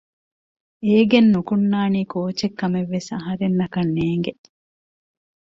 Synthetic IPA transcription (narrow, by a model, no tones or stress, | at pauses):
eːɡenːukunːaːniːkoːt͡ʃekːɐmeʋːesɐɦɐɾenːɐkɐnːeːŋɡe